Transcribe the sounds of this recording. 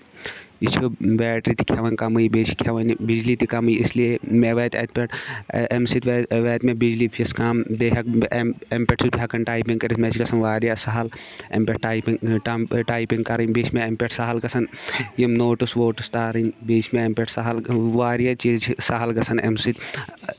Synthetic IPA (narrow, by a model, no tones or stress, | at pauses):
it͡ʃʰobɛːʈɾit̪i̥kʲʰjaʋɐnʲkɐmujibeːt͡ʃʰi̥kʰʲaʋɐnbid͡ʒlit̪ikɐmujisliemeʋeːt̪ʲḛːt̪pʲeʈemsit̪ʋʋɛːt̪mẽbid͡ʒlipʰiskʰaːmbeːɦɐkempʲeʈsusbiɦɐkːɐnʈaːjpiŋɡkɐɾismeːt͡ʃʰikɐsɐnʋaːɾjasɐɦɐl | ḛmpʲeʈʈaːjpiŋʈːʈaːjpiŋɡkɐɾinbet͡ʃʰmeempʲeʈsaɦɐlɡɐsʰɐnjimnoːʈusʋoːʈust̪aːɾinbeːt͡ʃʰmeempʲeʈsaɦɐlʋaːɾjat͡ʃizt͡ʃʰisɐɦɐlɡɐsʰɐnḛmsit̪